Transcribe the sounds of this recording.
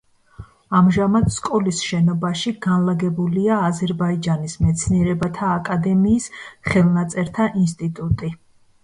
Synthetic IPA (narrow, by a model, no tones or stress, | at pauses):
amʒamad̪skʼɔlisʃɛnɔbaʃiɡanlaɡɛbuliaːzɛɾbaid͡ʒanismɛt̪sʰniɛɾɛbat̪ʰaːkʼad̪ɛmiːsχɛlˠnat̪sʼɛɾt̪ʰaʔinst̪ʼit̪ʼut̪ʼi